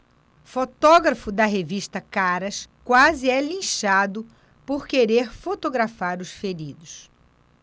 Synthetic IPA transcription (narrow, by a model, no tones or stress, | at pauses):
fot̪ɔɡɾɐfʊd̪ɐɦeviʃt̪ɐkaɾɐskwazɪɛlĩʃad̪ʊ | poɾkeɾeɾfot̪oɡɾafaɾʊsfeɾid̪ʊs